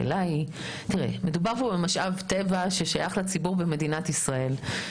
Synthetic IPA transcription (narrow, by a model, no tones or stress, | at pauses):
ḛlai | tiʁḛme̞dubaʁpobemaʃʔavtevaʃe̞ʃajaχlat͡sibuʁbeme̞dinat̪isʁae̞l